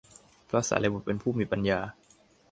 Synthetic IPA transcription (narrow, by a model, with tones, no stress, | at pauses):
pʰɾaː˦˥sa̰ː˩˦le˧bu˨˩pe˧npʰuː˥˩miː˧˩pa˧njaː˧